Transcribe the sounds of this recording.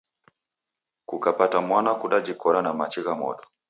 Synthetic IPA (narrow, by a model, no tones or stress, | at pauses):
kukapatamwanakuɗad͡ʒikɔɾanamat͡ʃiɣamɔ̰ɗɔ